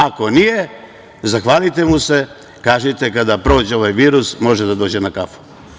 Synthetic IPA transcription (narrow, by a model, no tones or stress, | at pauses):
ako̞nije̞ | zaxʋaːlit̪e̞muse̞ | kaːʒet̪e̞kad̪apɾo̞ːd͡ʑeo̞ʋajʋiːɾusmo̞ʒed̪ad̪o̞ːd͡ʑenakafo̥